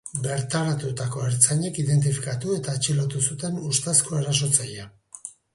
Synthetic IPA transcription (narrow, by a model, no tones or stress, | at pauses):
be̞ɾt̪aɾat̪ut̪ako̞eɾt͡saɲe̞kiðe̞nt̪̬ifi̥kat̪ue̞t̪aet͡ʃilot̪usut̪e̞nust̪askoeɾas̬o̞t͡saja